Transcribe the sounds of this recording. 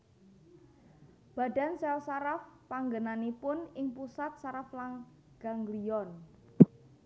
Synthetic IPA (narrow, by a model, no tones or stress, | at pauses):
b̥a̤da̤nsɛlsaɾafpaŋɡənanipʊnɪŋpusat̪̚saɾaflaŋ | ɡ̥aŋɡliɔn